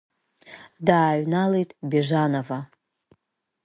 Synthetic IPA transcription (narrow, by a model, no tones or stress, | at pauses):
daːɥnalejtʼbeʐʷanova